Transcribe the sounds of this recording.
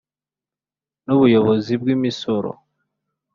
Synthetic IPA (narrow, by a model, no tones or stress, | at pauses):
nuβujo̞βozibɡimisoɾo̰